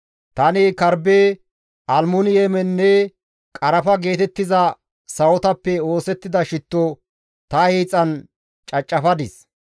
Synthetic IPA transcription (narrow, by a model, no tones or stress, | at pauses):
t̪ɐnɪkɐɾbeː | ʔɐlmʊnɪjɛmɛnːɛ | kʼɐɾɐfɐɡe̞ːt̪ɛt̪ːɪzɐ | sɐwɔt̪ɐpːɛo̞ːsɛt̪ːɪd̪ɐʃɪt̪ːo | t̪ɐhiːt͡sʼːɐn | t͡ʃʼɐt͡ʃʼːɐfɐd̪ɪs